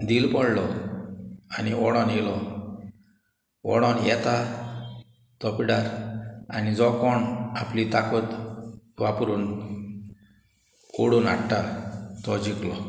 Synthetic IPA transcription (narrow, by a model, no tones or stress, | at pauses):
d̪ilpɔɽlɔ | aniɔɽɔnɦilɔ | ɔ̰ɽɔnjɛt̪a | t̪ɔpiɽaɾa̰nid͡zɔkɔɳaplit̪akɔt̪ | ʋapɾun | oɽuna̰ʈʈat̪ɔd͡ʑiklɔ